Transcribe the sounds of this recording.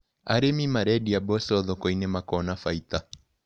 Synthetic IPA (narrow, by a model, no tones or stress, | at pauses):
a̰ɾemimaɾɛdiabɔsɔðɔkɔinemakɔnafait̪a